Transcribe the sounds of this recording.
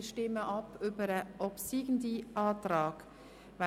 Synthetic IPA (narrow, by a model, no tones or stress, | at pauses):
ʃtɪməʔɑpʰybəɾəʔɔpsiːɡn̩diʔɑːtɾɑːɡ | va